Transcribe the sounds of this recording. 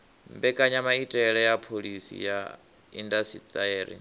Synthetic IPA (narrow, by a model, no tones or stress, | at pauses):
mbɛkʼaɲamaitʼɛɺɛjapʰolisḭja | ḭndasit̪ʼaeːɾḭ